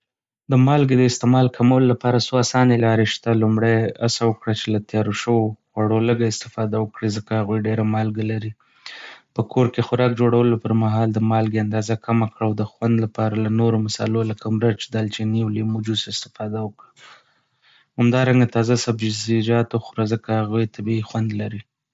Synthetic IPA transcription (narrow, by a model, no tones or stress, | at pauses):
d̪əmɑlɡed̪əɪst̪ɪmɑlkʰamawəlolapɑɾasoasɑnelɑɾeʃt̪alumɽaja̰sawəkɽat͡ʃelat̪jɑɾoʃəwoxwaɽoləɡaɪst̪ɪ̥fɑd̪awəkɽezəkahaɣwujɖeɾamɑlɡalaɾi | pəkʰoɾkexʊɾɑkd͡ʒoɽawəlopəɾmaɦɑld̪əmɑlɡeand̪ɑzakʰamakɽawd̪əxwand̪lapɑɾalanoɾomɪsɑ̰lolakʰamɾat͡ʃed̪alt͡ʃeniwlimud͡ʒusɪst̪ɪ̥fɑd̪awəkɽa | hamd̪ɑɾaŋɡat̪ɑzasabd͡ʒzid͡ʒɑt̪oxʊɾazəkahaɣujt̪ʰabiixwand̪laɾi